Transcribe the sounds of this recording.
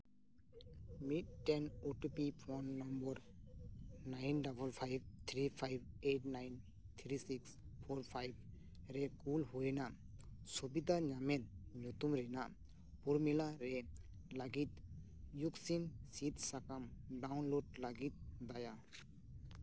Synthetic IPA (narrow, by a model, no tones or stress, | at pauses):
mitːɛnoʈupipʰɔnːɔmbɔɾ | najnɖabɔlpʰajb̚t̪ʰɾipʰajbeʈ̚najn | t̪ʰɾisikspʰɔɾpʰajb̚ | ɾɛkulhujna | subid̪ʱaɲamɛt̪̚ɲut̪umɾɛna | puɾmilaɾɛ | laɡit̪̚ | juksinsit̪sakamɖawnloɖ̚laɡit̪̚d̪aja